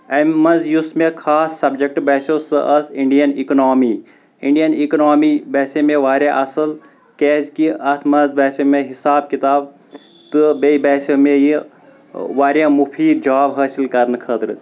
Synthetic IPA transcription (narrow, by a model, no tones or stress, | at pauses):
ɐmɐnzjusmẽkʰaːsːɐbd͡ʒek̚ʈbɛːsosɨʔɐsiɳɖijɐniknaːmiː | iɳɖijɐniknaːmiːbɛːsemẽʋaːɾʲjãʔɐsɨl | keːzkiʔɐt̪ʰmɐzbɛːsemẽɦisaːb̚kit̪aːb̚ | t̪ɨbeibɛːsomẽji | ʋaːɾjãːmupʰiːd͡ʒaːbɦɐːsilkɐɾnkʰəːt̪ɾɨ